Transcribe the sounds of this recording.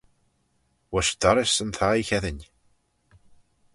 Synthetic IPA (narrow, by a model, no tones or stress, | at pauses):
wæʃd̪ɑɾˤɪsənθaiçæðəɲ